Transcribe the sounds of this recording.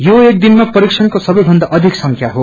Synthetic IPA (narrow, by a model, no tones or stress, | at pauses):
joek̚d̪inmapʌɾiksʰʌnkosʌbʌjbʱʌnd̪aʔʌd̪ʱiksʌŋkʰjaɦo